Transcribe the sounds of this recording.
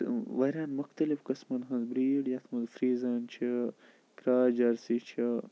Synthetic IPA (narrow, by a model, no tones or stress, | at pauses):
ʋɐɾʲaːnmʊxt̪ɐlifkɐsmɐnɦɐ̃nzbɾiːɽjɐt̪ʰmɐnzfɾiːzaːnt͡ʃʰi | kɾaːd͡ʒɐɾsit͡ʃʰi